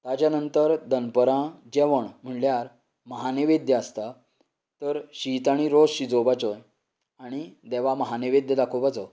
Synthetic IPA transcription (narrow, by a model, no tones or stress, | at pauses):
t̪ad͡ʑjanənt̪əɾd̪ənpəɾãd͡ʑɛʋəɳm̤əɳljaɾ | məɦaneʋed̪jəəst̪a | t̪əɾɕit̪aɽ̃iɾosɕid͡zobat͡sɔj | aɽ̃id̪eʋ̤aməɦaneʋed̪jəd̪akʰobat͡sɔ